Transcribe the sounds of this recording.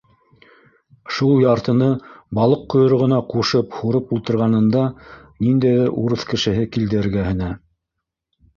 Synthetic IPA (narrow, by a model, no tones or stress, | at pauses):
ʃulˠjɑɾt̪ɤ̆nɤbɑlˠɤq̚ːŏjŏɾ̆ʁɤ̆nɑquʃɤphuɾɤpulˠt̪ɤ̆ɾʁɑnɤ̆nd̪ɑ | nind̪æjðɘɾuɾɤθkɘ̆ʃɘ̆ɦɘkild̪ɘ̆ɘ̆ɾɡæhɘ̆næ